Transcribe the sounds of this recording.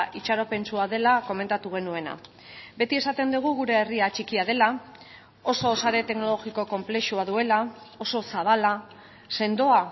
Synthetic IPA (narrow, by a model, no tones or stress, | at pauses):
ʔit͡ʃaɾo̞pe̞nt͡suaðe̞lako̞me̞nt̪at̪uɣe̞nue̞na̰ | be̞t̪ie̞sat̪e̞nd̪uɣ̞uɣ̞uɾe̞ːriat͡ʃikiað̞e̞la | o̞so̞saɾe̞t̪e̞kno̞lo̞ɣiko̞ko̞mple̞ʃuaðue̞lao̞so̞saβ̞ala | se̞nd̪o̞a